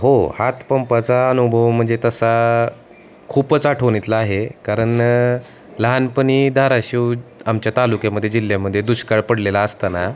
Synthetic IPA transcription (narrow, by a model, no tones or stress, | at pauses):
ɦohat̪pəmpat͡saənubʱəʋm̤əɳd͡zet̪əsa | kʰuːpət͡saʈʰoɽ̃it̪laːɦekaɾəɳ | ləɦanpəɽ̃iːd̪ʱaɾaɕuːamt͡ɕjat̪alukjãməd̪ʱːjed͡ʑil̤ːjaməd̪ʱːjed̪uɕkaɭpəɽlelaəst̪ana